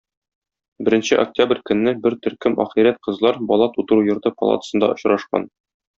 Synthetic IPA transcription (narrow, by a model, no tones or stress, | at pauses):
bɘ̆ɾɘ̆nɕɘʔo̰k̚tʲabrʲkɵ̆nːɘbɘɾt̪ɵ̆ɾkɵmɒ̰χiɾæt̪̚qɤ̆zlˠɑɾbɒlˠɑt̪ut̪ɤ̆ɾujɤ̆ɾt̪ɤpɒ̰lˠɑ̰t̪ə̥̆sɤ̆nd̪ɑ̰ʔŏɕɾɑʃqɑ̰n